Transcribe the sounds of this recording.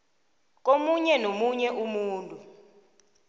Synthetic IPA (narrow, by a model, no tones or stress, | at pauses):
k̬ʼomuɲɛnomuɲɛʔumuːntʼu